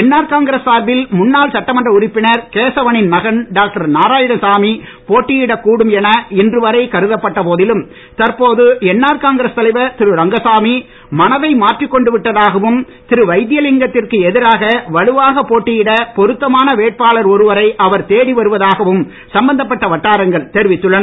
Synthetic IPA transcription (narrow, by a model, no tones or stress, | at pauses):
ɛnːaːɾkaːŋɡɪɾɐsaːɾbɪlmʊnːaːlsɐʈːɐmɐndrɐʊɾɪpːɪnɐɾkeːsɐʋɐɳɪnmɐɣɐɳɖaːk̚ʈɐɾnaːɾaːjɪɽɐsaːmi | poːʈːɪjɪɽɐkuːɽɯmɛnɐɪndrɯʋɐɾɐɪkɐɾɯðɐpːɐʈːɐpoːðɪlɯm | t̪ɐɾpoːðɯɛnːaːɾkaːŋɡɐɾɐst̪ɐlɐɪʋɐt̪ɪɾɯɾɐŋɡɐsaːmi | mɐnɐʋɐɪmaːʈrɪkːɔɳɖɯʋɪʈːɐðaːɣɐʋɯm | t̪ɪɾɯʋɐɪd̪ɪjɐlɪŋɡɐt̪ːɪrkɯɛðɪɾaːɣɐʋɐɻɯʋaːɣɐpːoːʈːɪjɪɽɐpɔɾɯt̪ːɐmaːnɐʋeːʈ̚paːɭɐɾɔɾɯʋɐɾɐɪʔɐʋɐɾt̪eːɽiʋɐɾɯʋɐðaːɣɐʋɯm | sɐmbɐnd̪ɐp̬ːɐʈːɐʋɐʈːaːɾɐŋɡɐɭt̪ɛɾɯʋɪt̪ːɯɭːɐn